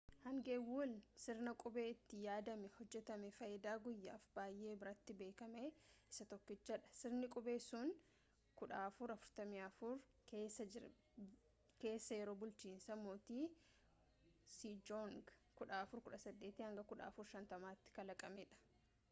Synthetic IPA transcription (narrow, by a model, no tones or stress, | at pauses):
hɐŋɡewuːlsɪɾnɐkʼʊbe̞ːɪt̪ːɪjaːd̪ɐmɛhɔd͡ʒːɛt̪ɐmɛfɐjɪd̪aːɡʊjːa̰ːfbaːjʔe̞ːbɪɾɐt̪ːɪbe̞ːkɐmeɪsɐt̪ɔkːɪt͡ʃːɐᶑɐ̥sɪɾnɪkʼʊbe̞ːsʊn | kʊᶑaːɐfʊɾɐfʊ̥ɾt̪ɐmiɐfʊɾ | keːsɐɪ | ke̞ːsːɐjɛɾo̞ːbʊlt͡ʃiːnsɐmoːt̪iː | siːd͡ʒɔŋɡkʊᶑaːɐfʊɾkʊᶑɐsɐd̪ːe̞ːt̪ɪhɐŋɡɐkʊᶑa̰ːfʊɾʃɐnt̪ɐmaːɪt̪ːɪ̥kɐlɐkʼɐmɛᶑɐ̥